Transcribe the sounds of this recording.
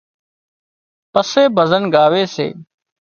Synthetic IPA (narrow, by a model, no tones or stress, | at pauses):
pəseːbʱəzənɡaːʋeːsḛː